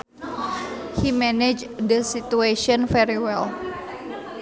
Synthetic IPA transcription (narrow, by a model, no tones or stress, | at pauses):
himɛned͡ʒd̪əsit̪ueʃɔnfɛɾiwɛl